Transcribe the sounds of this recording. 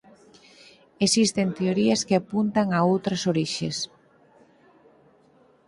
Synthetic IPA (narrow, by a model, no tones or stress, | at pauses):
esist̪ent̪eoɾiɐskeapunt̪aŋaowt̪ɾɐsoɾiʃes